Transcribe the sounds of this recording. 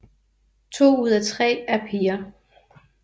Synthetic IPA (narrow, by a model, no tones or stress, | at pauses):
t͡sʰo̝̰ːuð̞ˠæt͡sʰʁɛ̰ːæɐpʰiːɐ